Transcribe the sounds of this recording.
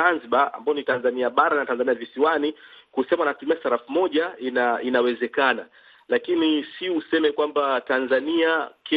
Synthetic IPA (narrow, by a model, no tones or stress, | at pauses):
anziɓaa̰mbaɔnitanzaniaɓaɾanatanzaniavisiwanikusɛmaanatumiasaɾafumɔʄainainawɛzɛkana | lakinisiusɛmɛkwambatanzaniakʰɛ